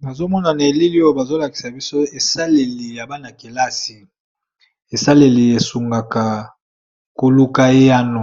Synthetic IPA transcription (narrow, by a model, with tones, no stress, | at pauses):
ba˨zo˦mɔ˦na˨na˨e˨li˦li˦o˦ba˨zo˦la˨ki̥˨sa˨bi˦so˦e˨sa˦le˨li˨ja˨ba˦na˨ke˨la˦si˨ | e˨sa˦le˨li˨e˨su˨ŋɡa˨ka˨ | ko˨lu˦ka˦e˦ja˦no˨